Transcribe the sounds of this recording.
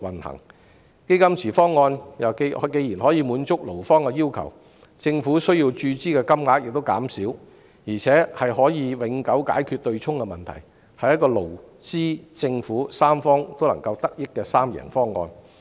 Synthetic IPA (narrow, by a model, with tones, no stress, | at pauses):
wɐ˨˩nhɐ̰˨˩ŋ | ke˥jkɐ˥mt͡sʰiː˨˩fɔː˥ŋːɔː˧njɐ˨kke˨˧jiː˨˩nhɔː˨˥jiː˨˧muː˨˥nt͡sʊ˥k̚lo˨˩wfɔː˥ŋkɛ˧jiː˥wkʰɐ̰˨˩w | t͡sɪ˧ŋfuː˨˥sɵ˥ɥjiː˧wt͡ʃyː˧t͡siː˥kɛː˧kɐ˥mŋaː˧t̚jɪ˨k̚t̪o˥wka̰ː˨˥msi˨˥w | jiː˨˩t͡sʰɛː˨˥hɐ˨jɦɔː˨˥jiː˨˧wɪ˨˥ŋkɐ˨˥wka̰ː˨˥jkʰy˧t̚t̪ɵ˧ɥt͡sʰʊ˥ŋkɛ˧mɐ˨nt̪ʰɐ̰˨˩j | hɐ˨jɐ˥t̚kːɔː˧lo˨˩w | t͡siː˥t͡sɪ˧ŋfuː˨˥saː˥mfɔː˥ŋt̪o˥wlɐ˨˩ŋkɐ˧wt̪ɐ˥k̚jɪ˥kːɛː˧saː˥mjɛ̰ː˨˩ŋfɔː˥ŋːɔ̰ː˧n